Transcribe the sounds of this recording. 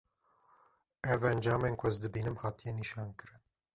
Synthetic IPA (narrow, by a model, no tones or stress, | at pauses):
ɛvɛnd͡ʒɑːmeːnkʷʰʊəzd̪ɨbiːnɨmhɑːt̪ijɛniʃɑːnkɨɾɨn